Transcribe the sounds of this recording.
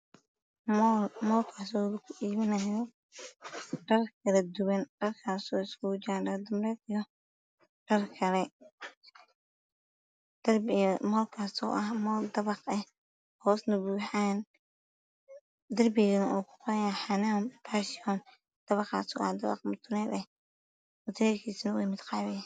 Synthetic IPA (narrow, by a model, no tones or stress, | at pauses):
mmɔːlkʰaːsɔːwlɐkʰʊʔiːβɪnɐjɔ | ɖɐrkʰɐlɐd̪ʊwɐnɖ̥ɐrkʰaːsɔːɪskʰʊd͡ʒaːɖɐd̪ɐmrɛd̪ijɔ | ɖ̥ɐrkʰɐlɛ | d̪̥ɐrmɔːlkʰaːsɔ̰ːʔɐhmɔːld̪ɐβɑqɛh | hɔːsnɐβuːħaːn | d̪ɐrbɪɣɐnɐʔɔːkʰʊ̥qɔɾɐjaħanaːmpʰaːʃɪɔn | d̪̥ɐβɑqɑ̰ːsɔ̰ːʔɐ̰hd̪ɐβɑ̰qmʊt̪ʰʊnɛːd̪ɛh | mʊt̪ʰɛːrkʰiːsɪnɐwɛmɪd̪qɑːβɛjaː